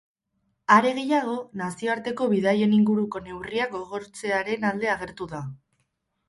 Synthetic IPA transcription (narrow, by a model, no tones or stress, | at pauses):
aɾe̞ɣ̞e̞jaɣ̞o̞nasio̞aɾt̪e̞ko̞βiðaje̞niŋɡuɾuko̞ne̞wriak̚ɡo̞ɣ̞o̞ɾt͡se̞aɾe̞nald̪e̞aɣ̞e̞ɾt̪uða